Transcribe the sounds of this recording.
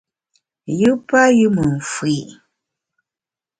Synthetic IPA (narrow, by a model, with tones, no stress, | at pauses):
jɨ˦pa˦jɨ˦mə˨m̩˨fwi˨ʔ